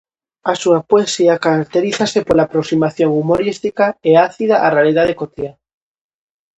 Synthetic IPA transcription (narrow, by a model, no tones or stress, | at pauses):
asuapoesiakaɾak̚t̪eɾiθasepolaːpɾoksimaθjoŋumoɾist̪ikaeaθiðaʔarealiðaðekot̪ia